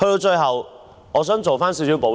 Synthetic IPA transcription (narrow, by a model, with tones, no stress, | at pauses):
hɵ˧t̪o˧t͡ʃɵ˧jɦɐ˨w | ŋɔː˨˧s̬œː˨˥ŋt͡so˨wfaː˥nsi˨˧wsiː˨˥wpo˨˥